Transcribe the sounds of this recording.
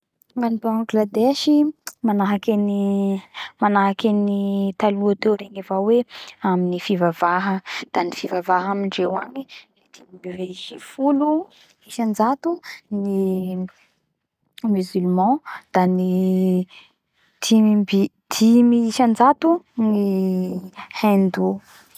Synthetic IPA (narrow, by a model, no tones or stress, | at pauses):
ŋanibãŋɡlad̪eʃimanaɦakʲani | manaɦakʲanit̪aluat̪ewɾeŋivaweaminifivavaɦəd̪̥anifivavaɦaminɖ͡ʐewaɲi | ed̪̥imimiveiifulu | iʃand͡zat̪uni | myzylmɑ̃d̪̥ani | d̪̥ibi | d̪̥imiiʃand͡zat̪uni | hend̪u